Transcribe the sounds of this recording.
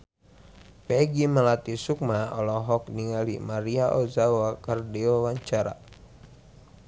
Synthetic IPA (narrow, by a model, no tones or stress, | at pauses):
pɛɡiməlat̪isuk̚maɔlɔɦɔk̚niŋalimaɾiaʔɔzawakardiɔwaɲt͡ʃaɾa̰